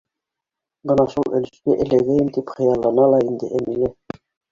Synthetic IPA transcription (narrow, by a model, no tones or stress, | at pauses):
bɤnɑʃulˠɘ̆lɘ̆ʃk̪æʔɘ̆læɡæjɘmt̪ipχɤ̆jɑlˠːɑnɑlˠɑind̪ɘʔæmilɘ